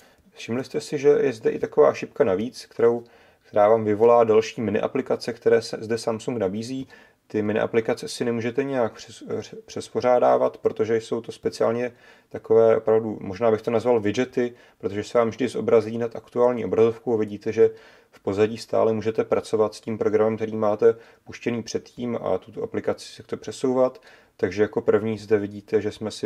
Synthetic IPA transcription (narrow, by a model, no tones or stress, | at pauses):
ʃɪmlɪst̪ɛsɪʒɛjɛzdɛʔɪt̪ako̞va̰ːʃɪpkanaviːt͡skt̪ɛɾow | kt̪ɛɾaːvaːmvɪvo̞laːdalʃiːmɪnɪ̰ʔa̰plɪkat͡sɛkt̪ɛɾɛːsɛzdɛsamsuŋɡnabiːziː | t̪ɪmɪnɪ̰ʔa̰plɪkat͡sɛsɪnɛmuːʒɛt̪ɛɲɛjak̚pr̥ɛspo̞ɾ̝aːda̰ːvat̪pɾo̞t̪oʒɛjso̞wt̪o̞spɛt͡sɪa̰ːlɲɛ | t̪ako̞vɛːʔo̞pɾavdumo̞ʒnaːbɪxt̪o̞nazvalvɪd͡ʒɛt̪ɪ | pɾot̪oʒɛsɛvaːmvʒdɪzʔo̞̰bɾaziːnat̪ʔakt̪uaːlɲiːʔo̞bɾazo̞fkowavɪɟiːt̪ɛʒɛ | fpo̞zaɟiːst̪a̰ːlɛmuːʒɛt̪ɛpɾat͡so̞vat̪sciːmpɾo̞ɡɾamɛmkt̪ɛɾiːmaːt̪ɛ | puʃcɛniːpr̝̥ɛt̪ciːma̰t̪u̥t̪o̞ʔaplɪkat͡sɪ̥sɛkt̪opr̝̥ɛso̞wvat̪ː | aɡʒɛjako̞pr̩vɲiːzdɛvɪɟiːt̪ɛʒɛsmɛsɪ